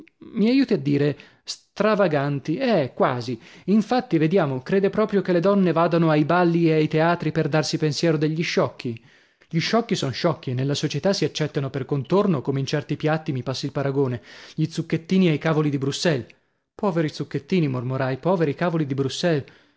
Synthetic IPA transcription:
miajuːt̪iad̪ːiːɾe | st̪ɾavaɡant̪iɛkwaːziiɱfat̪ːived̪jaːmokɾeːd̪epɾɔːpɾjokelːed̪ɔnːevaːd̪anoajbalːieajt̪eaːt̪ɾiperd̪arsipensjɛːɾod̪eʎːiʃːɔkʰːi | ʎiʃːɔkːisɔnʃɔkːienelːasot͡ʃet̪asiat͡ʃːɛt̪ːanoperkont̪ornokomeint͡ʃɛrt̪ipjat̪ːimipasːilpaɾaɡoːneʎit̪sukːet̪ːiːniajkaːvolid̪ibɾusːɛl | pɔːveɾit̪sukːet̪ːiːnimormoɾajpɔːveɾikaːvolid̪ibɾusːɛl

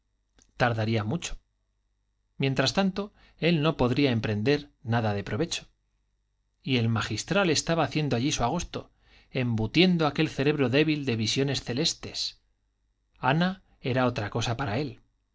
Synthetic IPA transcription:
t̪aɾðaɾiamut͡ʃo̥ | mje̞nt̪ɾast̪ant̪o̞ | e̞lno̞po̞ðɾiae̞mpɾe̞nd̪e̞ɾnaðaðe̞pɾo̞βe̞t͡ʃo̥ | ie̞lmaxist̪ɾale̞st̪aβaːθje̞nd̪oaʎisuaɣ̞o̞st̪o̞̰ | e̞mbut̪je̞nd̪oake̞lθe̞ɾe̞β̞ɾo̞ðe̞βild̪e̞βisjo̞ne̞sθe̞le̞st̪e̞s | ana | e̞ɾao̞t̪ɾako̞sapaɾae̞l

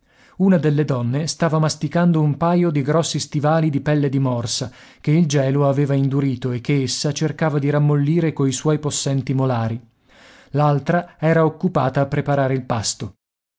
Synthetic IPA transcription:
unad̪elːed̪ɔnːest̪aːvamast̪ikand̪oumpaːjod̪iɡɾɔsːist̪ivaːlid̪ipɛlːed̪imɔrsak̟eild͡ʒɛːloaveːvaind̪uɾiːt̪oek̟ːeesːat͡ʃerkaːvad̪iɾamːolːiːɾekoiswɔjposːɛnt̪imolaːɾi | lalt̪ɾaɛːɾaokːupaːt̪aːpːɾepaɾaːɾeilpast̪o

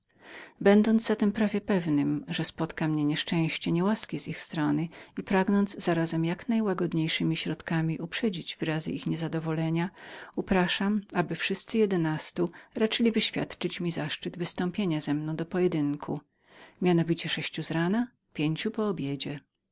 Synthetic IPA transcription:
bɛnd̪ɔnd̪zzat̪ɛmpɾavʲjɛpɛvnɘmʐɛspɔt̪kamɲɛɲɛʂt͡ʂɛ̃w̃ɕt͡ɕɛɲɛwaskʲizixst̪ɾɔnɘipɾaɡnɔnd̪zzaɾazɛmjaknajwaɡɔd̪ɲejʂɘmʲiɕɾɔt̪kamʲiʔupʂɛd͡ʑid͡ʑvɘɾazɘ̰ʔixɲɛzad̪ɔvɔlɛɲaupɾaʂamabɘfʂɘst̪sɘjɛd̪ɛnast̪uɾat͡ʂɘlʲivɘɕfʲja̰t̪t͡ʂɘt͡ɕmʲizaʂt͡ʂɘd̪vɘst̪ɔ̃mpʲjeɲazɛmnɔ̃w̃d̪ɔpɔjɛd̪ɘŋkʰu | mʲjanɔvʲit͡ɕɛʂɛɕt͡ɕuzɾana | pʲjeɲt͡ɕupɔːbʲjed͡ʑɛ

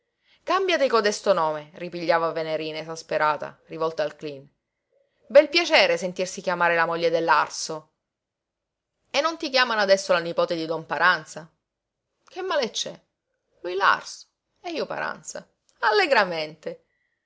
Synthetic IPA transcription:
kambjat̪ekod̪ɛst̪onoːmeripiʎːaːvaveneɾiːnaesaspeɾaːt̪a̰rivɔlt̪aːlklin | bɛlpjat͡ʃɛːɾesent̪irsikjamaːɾelamoʎːed̪elːarso | enːont̪ik̬jaːmanoad̪ɛsːolanipoːt̪ed̪id̪ɔmpaɾʔant̪sa | k̟emːaːlet͡ʃːɛ̰ | lujla̰rso̥ | eiːopa̰ɾa̰nt̪sa̰ | alːeɡɾament̪e

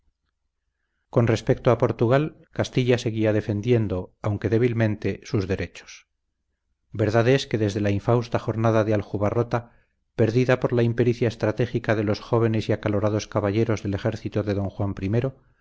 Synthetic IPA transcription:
ko̞nre̞spe̞k̚t̪oapo̞ɾt̪uɣ̞al | kast̪iʎase̞ɣiað̞e̞fe̞nd̪je̞nd̪o̞awŋke̞ðe̞β̞ilmẽ̞nt̪e̞suzðe̞ɾe̞t͡ʃo̥s | be̞ɾðaðe̞ske̞ðe̞zðe̞laiɱfawst̪axo̞ɾnaðaðealxuβaro̞t̪a | pe̞ɾðiðapo̞ɾlaimpe̞ɾiθjaest̪ɾat̪e̞xikaðe̞lo̞sxo̞β̞e̞ne̞siakalo̞ɾaðo̞skaβaʎe̞ɾo̞zðe̞le̞xe̞ɾθit̪oðe̞ðo̞ŋxwampɾime̞ɾo̞

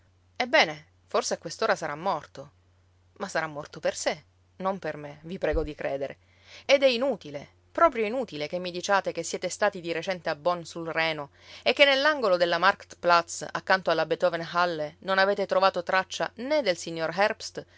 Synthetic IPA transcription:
ɛbːɛːne | forseakwest̪oːɾasaɾʔamːɔrt̪o | masːaɾamːɔrt̪operse | nompermevipɾɛːɡod̪ikɾɛ̰ːd̪eɾḛ | ed̪ɛinuːt̪ile | pɾɔːpɾjoinuːt̪ilek̟emːid̪it͡ʃaːt̪ekesːjɛːt̪est̪aːt̪id̪iɾet͡ʃɛnt̪eabːɔnsulrɛːno | ekːenːelːaŋɡolod̪elːamarkt̪plat̪sa̰kːant̪oalːabet̪ɔvenɦalːenonaveːt̪et̪ɾovaːt̪ot̪ɾat͡ʃːaned̪elsiɲːorɦɛrpst̪

